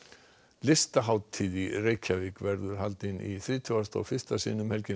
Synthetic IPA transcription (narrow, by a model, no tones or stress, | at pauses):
lɪst̪aɦaːwt̪ʰiːðireːjcʰavɪkvɛɾðʏɾ̥halt̪ɪnḭθɾiːt̪ʰʏast̪a̰wfɪ̥st̪asḭːnʏmhɛlcɪ